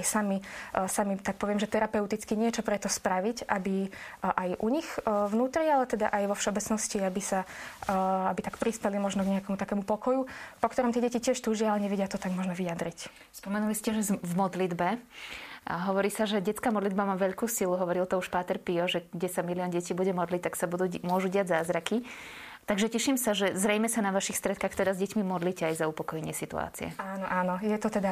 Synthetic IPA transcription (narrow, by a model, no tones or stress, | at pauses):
jsamisamit̪ak̚pɔʋɪɛmʒɛt̪ɛɾapɛʊt̪it͡skiɲɪɛt͡ʃɔpɾɛt̪ɔspɾaʋicʔabiʔajʔuɲixvnuːt̪ɾialɛt̪ɛd̪a̰ʔajʋɔfʃɛɔbɛt͡snɔsciabisa | abit̪akpɾispɛlimɔʒnɔɡɲɛakɛmut̪akɛːmupɔkɔjupɔkt̪ɔɾɔmt̪ɪɛɟɛcicɪɛʃt̪uːʒɪalɛɲɛʋɛɟɪat̪ɔt̪aɡmɔʒnɔʋijad̪ɾic | spɔmɛnuliscɛʒɛvmɔd̪lid̪bɛ | ɦɔʋɔɾiːsaʒɛɟɛt͡skaːmɔd̪lid̪bamaːʋɛʎkuːsiluɦɔʋɔɾilt̪ɔuʃpaːt̪ɛɾpiɔʒɛɡɟɛsamiliɔnɟɛciːbuɟɛmɔd̪lic̚t̪ːaksabud̪umʊɔʒuɟɪaɟzaːzɾaki | t̪aɡʒɛcɛʃimsaʒɛzɾɛjmɛsanaʋaʃixst̪ɾɛt̪̚kaːxt̪ɛd̪azɟɛcmimɔd̪liːcɛajzaupɔkɔjɛɲɪɛsit̪ṵa̰ːt͡sḭɛ̰aːnɔʔaːnɔjɛt̪ɔt̪ɛd̪a